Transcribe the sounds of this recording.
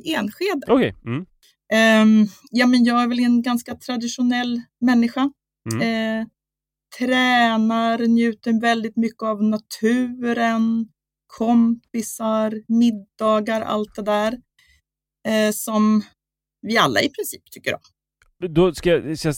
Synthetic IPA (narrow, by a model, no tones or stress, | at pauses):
eːnɧeːd̪əɔkʰɛm̩ | jɑːmɛnjɑːɡæɾvɛlɛnɡanskat̪ʰɾad̪ɪʂʊnɛlː | mɛnːɪɧa | t̪ʰɾɛːnaɾnjʉ̟ːt̪əɾvɛld̪ɪt̪mʏkːəavnat̪ʰʉ̟ːɾən | kʰɔmpɪsaɾmɪd̪ːɑːɡaɾʔa̰lt̪̚d̪ɛd̪æːɾ | sɔm | vɪa̰lːa̰ɪpʰɾɪnsiːp̚t̪ʰʏkːəɾjɔ̰ | d̪ɔskajs